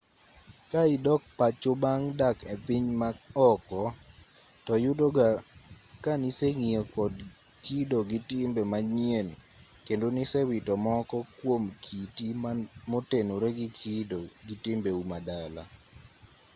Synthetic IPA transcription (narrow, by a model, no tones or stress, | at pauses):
kaidɔk̚pat͡ʃobaŋdakepiɲmaɔkɔ | tɔjʊdoɡa | kaniseŋiokɔd | kidoɡitɪmbemaɲien | kendonisɛwɪtɔmɔkɔkwomkʰitimotenoɾeɡikʰidoɡitɪmbeumadala̰